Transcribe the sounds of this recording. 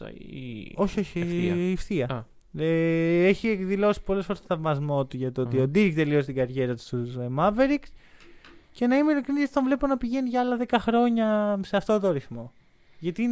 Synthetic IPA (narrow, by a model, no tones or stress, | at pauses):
o̞çioçiifθiɐ | eeçiekðilo̞si̥polesfo̞ɾet̪oθɐvmɐzmo̞t̪uʝɐt̪oot̪iod̪iɾikt̪e̞lio̞sit̪iɡɐɾʝe̞ɾɐt̪u̥st̪usmɐveɾiks | ce̞nɐimeilekɾinisst̪t̪onvle̞ponɐpiʝe̞niʝɐɐlɐðe̞kɐxɾo̞ɲɐseɐft̪o̞t̪oɐɾiθmo̞ | ʝɐt̪in